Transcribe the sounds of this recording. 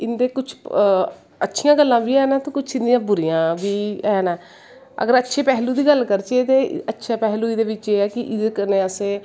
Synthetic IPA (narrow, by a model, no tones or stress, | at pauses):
ɪnd̪eːkʊt͡ʃʰ | ətːʃʰijãːɡəlːãːʋiːɛːnɛːt̪õːkʊt͡ʃʰɪnd̪ɪijãːbʊɾijãːʋiːɛːnɛː | ə̰ɡəɾətːʃʰeːpɛːɦluːd̪iːɡəlːkəɾt͡ʃet̪eːətːʃʰaːpɛːluːiːd̪eːʋɪt͡ʃeːɛːkɪʔɪdekəneːəseː